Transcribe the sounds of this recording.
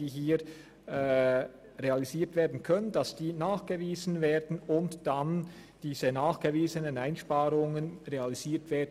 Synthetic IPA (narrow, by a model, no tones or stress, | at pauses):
iːɦiː | ɛː | ʁealiziːtv̥eːɐdn̩kʰœnəndɑsd̥iːnaːχɡ̥əviːzn̩veːdn̩ʊntd̥and̥iːzənaːχɡ̥əviːzənənaɪnʃpaːɾʊŋənʁealiziːtv̥eːdn